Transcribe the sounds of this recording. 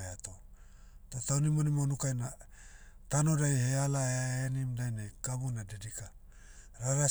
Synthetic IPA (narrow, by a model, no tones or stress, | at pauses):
eat̪o | t̪ot̪awnimonimonukajna | t̪anodajhealaeaenimdajnajkabunadedika | ɾaɾa